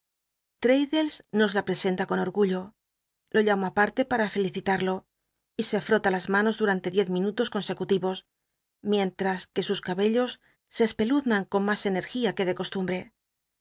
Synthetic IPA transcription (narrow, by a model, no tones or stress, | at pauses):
t̪ɾejðe̞lsno̞zlapɾe̞se̞nt̪ako̞no̞ɾɣuʎo̞ | lo̞ʎamoapaɾt̪e̞paɾafe̞liθit̪aɾlo̞ | ise̞fɾo̞t̪alazmano̞zðuɾant̪e̞ðje̞θmĩnut̪o̞sko̞nse̞kut̪iβo̞s | mje̞nt̪ɾaske̞suskaβe̞ʎo̞sː | e̞ːspe̞luðnaŋko̞nmase̞ne̞ɾxiake̞ðe̞ko̞st̪umbɾe̞